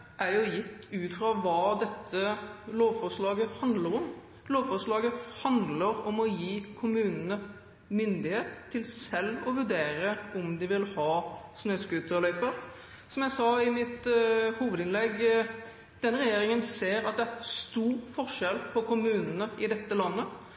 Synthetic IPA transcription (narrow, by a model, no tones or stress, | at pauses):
ʔæjʊjɪt̪ʰːʉːt̪fɾɑʋɑːd̪ɛt̪ʰːəloːʋfɔʂɭɑːɡəhɑnd̪ləɾɔm | loːʋfɔʂɭɑːɡəhɑnd̪ləɾɔmɔjiːkʰʊmʉːnənə | mʏnd̪ɪheːt̪ʰːɪlsɛlːɔʋʉɾɖ̪eːɾəʔɔmd̪ɪʋɪlhɑːsnøːskʉːt̪əɔlœʏpəɾ | sɔmjæɪsɑːɪmɪt̪huːʋəd̪ɪnlɛɡː | d̪̥ɛnːəɾɛjeːɾɪŋənseːɾɑt̪̚d̪ɛæʁst̪uːɾfɔʁʂɛlpʰɔkʊmʉːnənəɪd̪ɛt̪ːəlɑnːə